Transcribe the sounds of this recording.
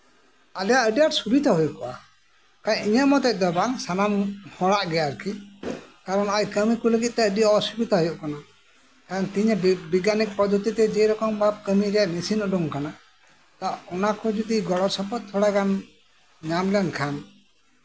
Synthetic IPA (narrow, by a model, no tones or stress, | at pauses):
alɛjaʔəɖijaɾsubid̪aɦujuʔkɔʔa | kaɲiɲəʔmɔt̪ɛc̚ˀd̪ɔbaŋsanamhɔɽaʔɡɛjaɾkʰikaɾɔnajkəmikuləɡit̪̚t̪ɛəɖiaɔsubit̪aɦujɔʔkana | kaɾɔnt̪iɲbiɡanik̚pɔd͡ʒɔt̪it̪ɛd͡ʒiɾɔkɔmbab̚kəmiɾɛaʔmisinɔɖɔŋkana | t̪aʔɔnakɔd͡ʒud̪iɡɔɽɔɾsɔpɔt̪̚t̪ʰːɔɽaɡan | ɲamlɛankʰan